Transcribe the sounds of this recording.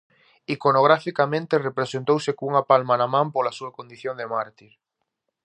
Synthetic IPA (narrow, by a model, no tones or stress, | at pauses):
ikonoɣ̞ɾafikamẽnt̪erepɾesent̪owsekouŋapalmanamãmpolasuakond̪iθjond̪emaɾt̪iɾ